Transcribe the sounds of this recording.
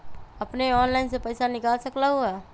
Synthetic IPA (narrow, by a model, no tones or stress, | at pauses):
ɐpneɔːnlaːɪnsepəjsanɪkaːlsɐklaɦua